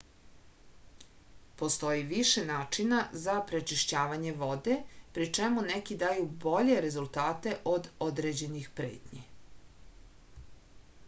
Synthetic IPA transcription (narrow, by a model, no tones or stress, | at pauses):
po̞st̪o̞jiʋiʃenaːt͡ʃinazapɾe̞t͡ʃiʃt͡ɕaːʋaɲe̞ʋo̞d̪e̞pɾit͡ʂemunekid̪ajubo̞ʎe̞ɾe̞zulˠt̪aːt̪e̞ʔo̞d̪o̞d̪ɾed͡ʑe̞nixpɾe̞̰ːt̪ɲe